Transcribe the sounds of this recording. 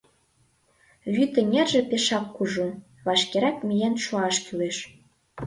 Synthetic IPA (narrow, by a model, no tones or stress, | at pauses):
βyt̪ə̆ŋʲerʒĕpeʃɑkːuʒu | βɑʃkeɾɑkmʲijenʃuɑʃkyleʃ